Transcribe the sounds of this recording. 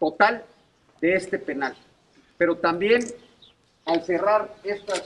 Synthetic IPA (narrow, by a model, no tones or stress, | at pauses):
t̪o̞t̪al | d̪e̞est̪e̞pe̞nal | pe̞ɾo̞t̪ambje̞n | alse̞raɾe̞st̪as